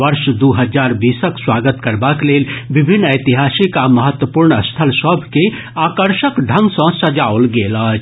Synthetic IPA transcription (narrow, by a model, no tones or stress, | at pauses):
ʋɐɾʃd̪oɦɐzaːɾbiːsəkswaːɡət̪kɐɾbakleːlʋɪbʱɪnːəːt̪iɦaːsikamɐɦət̪wəpuːɾɳəst̪ʰəlsɔbʱke | aːkəɾʃəkɖʱɐ̃ŋɡsɔ̃sɐd͡ʒaːolɡeːlaːd͡ʒ